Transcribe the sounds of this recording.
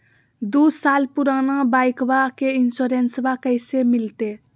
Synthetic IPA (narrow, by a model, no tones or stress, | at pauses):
d̪usalpuɾanabajkbakeinsuɾensbakəjsemilt̪e